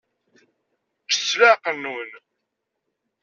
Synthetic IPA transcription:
t͡ʃə̥t͡sːlaqənːwən

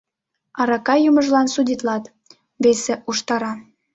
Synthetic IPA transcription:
ɑɾɑkɑjuməʒlɑnsudʲit̪lɑt̪ | βeseʔuʃt̪ɑɾɑ

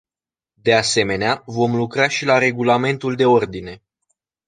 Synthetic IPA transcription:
d̪e̞ase̞me̞neavo̞mlukɾaʃilaɾe̞ɡulame̞nt̪uld̪e̞o̞rd̪ine̞

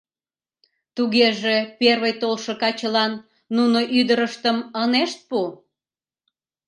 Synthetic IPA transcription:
t̪uɣeʒe̽perβəjt̪olʃə̆kɑt͡ɕəlɑnː | unoʔyd̪əɾəʃt̪əməneʃt̪̚pu

